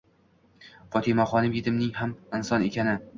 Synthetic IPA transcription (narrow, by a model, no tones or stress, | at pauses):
fɒt̪ʰɪmaχɒnɪmjɪd̪ɪmnɪŋɦamɪnsɒnekʲanɪ